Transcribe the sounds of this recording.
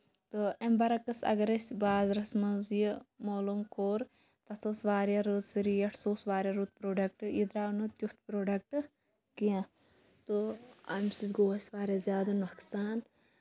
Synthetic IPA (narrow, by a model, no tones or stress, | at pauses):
t̪ɨɐmbɐɾɐkɐsɐ̰ɡɐɾɐsʲbaːzɾɐsmɐzjimoːlumkoːɾ | t̪ɐt̪ʰɐsʋaːɾʲjaɾut̪siɾijɐʈʰsoːsʋaːɾʲjaɾut̪̚pɾoːɖɐk̚ʈɨjid̪ɾaːnut̪jut̪pɾoːɖɐk̚ʈɨ | kijã | t̪oɐmsid̪ɡoːsʲʋaːɾʲjazjaːd̪ɐnuksaːn